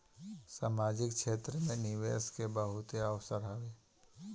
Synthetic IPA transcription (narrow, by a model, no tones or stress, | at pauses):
saːmaːd͡ʒɪk̚ʃʰeːt̪ɾəmẽnɪʋeːskebəɦʊt̪eəʋsəɾɦəʋeː